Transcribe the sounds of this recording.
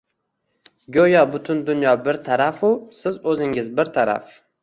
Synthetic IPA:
ɡʲojɒbʊt̪ʰʊnd̪ʊnjɒbɪɾt̪ʰaɾafʊsɪzɵzɪŋɪzbɪɾt̪ʰaɾa̰f

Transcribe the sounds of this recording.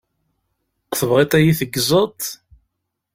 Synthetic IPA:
θəvʁet̪ˤæjiθəɡːzˤət̪ˤ

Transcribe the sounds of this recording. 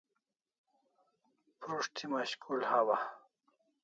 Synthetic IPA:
pɾuʂt̪ʰimaɕkulhawa

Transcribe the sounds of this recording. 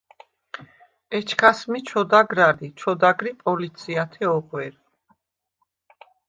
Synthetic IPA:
ɛt͡ʃʰkʰasmit͡ʃʰɔd̪aɡɾalit͡ʃʰɔd̪aɡɾipʼɔlit̪sʰiat̪ʰɛɔqʼwɛɾ

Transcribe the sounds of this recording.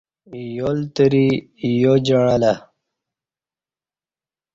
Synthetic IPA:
jolt̪əɾi | jod͡ʑəɽala

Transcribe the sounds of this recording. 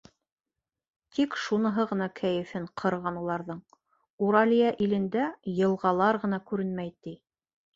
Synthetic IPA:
t̪ʰikʃunɤ̆ɦɤʁɤ̆nɑkʰæjɘ̆fɘɴqʰɤ̆ɾʁɑnulˠɑɾðɤɴ | uɾɑlʲijæʔilɘ̆nd̪æjɤ̆lˠʁɑlˠɑɾʁɤ̆nɑkʉɾɘnmæjt̪ij

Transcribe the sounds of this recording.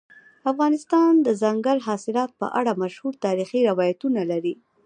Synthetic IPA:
afɣɑnɪst̪ɑnd̪əzaŋɡalɦɑsɪlɑt̪̚pə̰ʔaɽamaʃhuɾt̪ɑɾixiɾawɑjat̪unalaɾi

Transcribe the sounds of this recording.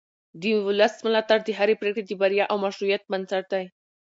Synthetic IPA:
d̪əwʊləsmʊlat̪aɾd̪əɦaɾepɾekɽed̪əbaɾjaʔawmaʃɾujat̪̚mansaɾ̚d̪aj

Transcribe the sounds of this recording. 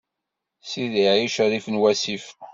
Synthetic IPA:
siðiʕiʃɾifənwæsif

